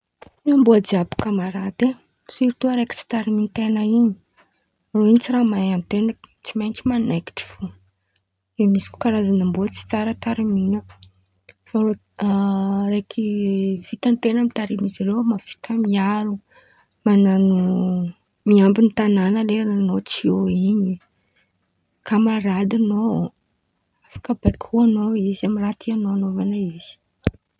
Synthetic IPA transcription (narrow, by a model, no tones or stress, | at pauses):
iambuad͡ziabḁkamaɾad̪e | siɾt̪uəɾejki̥t͡si̥t̪aɾiminit̪enəiɲi̥ | roiɲit͡siɾamajamit̪enət͡simajt͡ʃimanajki̥ʈ͡ʂi̥fu | d̪emisi̥kʲu̥kaɾazanambut͡si̥t͡saɾət̪aɾiminə | faɾo | rejkʰiv̥it̪ant̪enəmit̪aɾimiziɾewmafi̥t̪əmiaɾu | mananu | miambinit̪ananəleananot͡sioiɲi | kamaɾad̪ano | afḁkəbekʰuanoizamirat̪ʰianoanovanaiz̥i̥